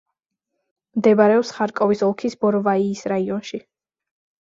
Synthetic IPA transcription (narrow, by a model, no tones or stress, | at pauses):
md̪ɛbaɾɛɔpsχaɾkʼɔvisɔlˠkʰisbɔɾvaiːsɾaiɔnʃi